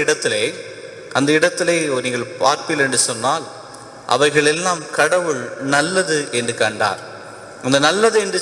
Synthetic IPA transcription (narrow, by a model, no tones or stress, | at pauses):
ɪɽɐt̪ːɪleː | ʔɐnd̪ɐɪɽɐt̪ːɪleːniːŋɡɐɭpa̰ːɾpɪlɛndrɯsɔnːaːl | ʔɐ̰ʋɐɪɣɐɭɛlːaːmkɐɽɐʋɯɭnɐlːɐðɯʔɛndrɯkɐɳɖa̰ːɾ | ɐnd̪ɐnɐlːɐðɯɛndɯ